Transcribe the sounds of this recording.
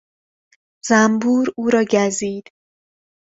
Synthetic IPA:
z̥æmbuːɾuːɾɒːɟæziːd̪̥

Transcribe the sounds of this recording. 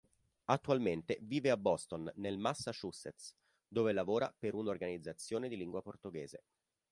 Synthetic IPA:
at̪ːualment̪eviːveabːɔst̪onːelmasːaʃuset̪s | d̪oːvelavoːɾa̰peɾunorɡanid̪zːat̪sːjoːned̪iliŋɡwaport̪oɡeːzḛ

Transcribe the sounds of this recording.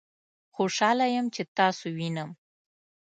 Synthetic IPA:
xoʃɑlajəmt͡ʃet̪ɑsowinəm

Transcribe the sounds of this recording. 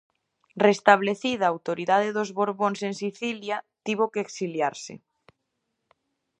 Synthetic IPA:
rest̪aβleθiðaːwt̪oɾiðaðeðozβoɾβonseŋsiθiljat̪iβ̞okeeːksiljaɾsḛ

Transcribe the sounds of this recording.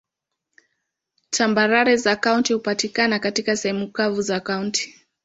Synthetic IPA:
tʰambaɾaɾɛzakauntihupatikanakatikasɛhɛmukavuzakaunti̥

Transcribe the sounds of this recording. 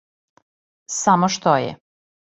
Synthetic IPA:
samoʃt̪ojɛ̰

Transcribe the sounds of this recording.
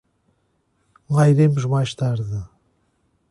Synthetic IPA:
lajɾemuʒmajʃt̪aɾðɨ

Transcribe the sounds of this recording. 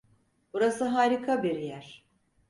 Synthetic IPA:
buɾasɯɦaːɾikʰabiɾjæɾ̥

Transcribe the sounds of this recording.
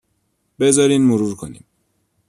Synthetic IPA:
be̞zɒːɾiːnmoɾuːɾkʰo̰nḭːm

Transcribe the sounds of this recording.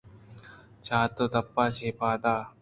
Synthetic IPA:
t͡ɕʰaːt̪ːot̪ɐpːaːt͡ɕʰeːpaːt̪aː

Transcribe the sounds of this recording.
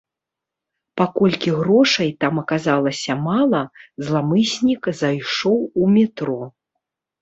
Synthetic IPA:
pakɔlʲkʲiɣɾɔʂɐjt̪amɐkazalˠɐsʲɐmalˠɐzlˠamɨsʲnʲikzajʂɔwumʲɛt̪ɾɔ

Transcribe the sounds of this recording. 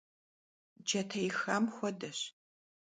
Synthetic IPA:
d͡ʒɐtʰɐjxaːmxʷɔdɐɕ

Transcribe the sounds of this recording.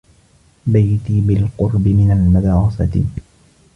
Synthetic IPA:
bajt̪iːbɪlqʊɾbɪmɪnalmad̪ɑːɾɑsɑ̰t̪ɪ̰

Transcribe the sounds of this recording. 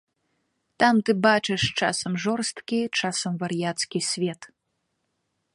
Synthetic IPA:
t̪amt̪ɨbat͡ʂɨʂt͡ʂa̰sɐmʐɔrst̪kʲit͡ʂasɐmvɐrjat̪skʲisʲvʲɛt̪

